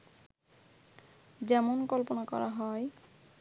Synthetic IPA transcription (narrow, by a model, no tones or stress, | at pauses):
d͡ʑɛmonkɔlponakɔ̰ɾa̰ɦɔe